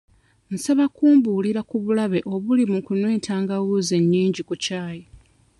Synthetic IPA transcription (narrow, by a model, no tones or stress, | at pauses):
n̩saβakuːmbuːliɾakuβulaβe̞ʔo̞βulimukunweːtʰaːŋɡawuze̞ɲːiːɲɟikucaːji